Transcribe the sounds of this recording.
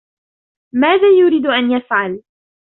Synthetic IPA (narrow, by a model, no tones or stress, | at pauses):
maːðaːjʊɾiːd̪ʔanjafʕal